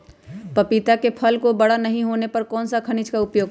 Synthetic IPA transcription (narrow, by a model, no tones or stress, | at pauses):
pɐpit̪akepʰəlkobɐɽanəɦĩɦoːnepɐɾkɔːnsakʰɐnɪt͡ʃkaʊpjoːɡ